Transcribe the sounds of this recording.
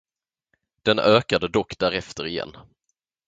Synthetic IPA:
d̪̥ɛnøːkad̪əd̪ɔkːd̪æɾɛft̪əɾɪjɛ̰nː

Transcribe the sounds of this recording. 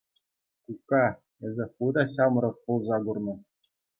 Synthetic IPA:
kukːɑ | ɘ̆zʲɘ̆xud̪ɑɕɑmɾɤ̆χpulˠzɑɡurnɤ̆

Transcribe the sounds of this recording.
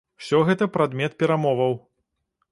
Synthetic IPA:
wsʲɔɣɛt̪ɐpɾad̪mʲɛt̪̚pʲɛɾamɔvɐw

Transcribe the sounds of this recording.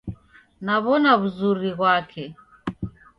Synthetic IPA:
naβɔnaβuzuɾiɣwakʰɛ

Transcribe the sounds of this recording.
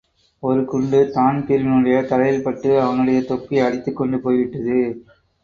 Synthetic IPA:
ɔɾɯkʊɳɖɯt̪aːnpɪɾnɯɽɐjɐt̪ɐɾɐjɪlpɐʈːɯɐʋɐnɯɽɐjɐt̪ɔkːiɐɽɪt̪ːɯkːɔɳɖɯpoːjʋɪʈːɐðɯ

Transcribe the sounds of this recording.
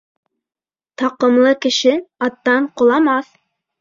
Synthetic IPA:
t̪ɑqɤ̆mlˠɤkɘ̆ʃɘɑt̪ːɑɴqŏlˠɑmɑθ

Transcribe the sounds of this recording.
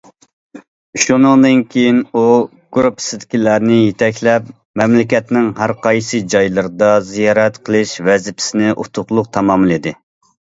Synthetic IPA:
ʃunɨŋd̪ɨnkʲʰejinu | ɡ̥ɾupʰːɪ̥sɪd̪ɪkʲilæɾnɪjet̪ʰɛkʲlɛp | mɛmlɪkʲɛt̪nɪŋɦæɾqʰɑjsɨd͡ʒɑjlˠɨɾɨd̪ɑzijɑːɾɛt̪qʰəlˠɨʃvɛzɪpʰɪ̥sɪnɪʔṵt̪ʰʊχlˠʊq̚t̪ʰɑmɑmɨlˠid̪ɪ

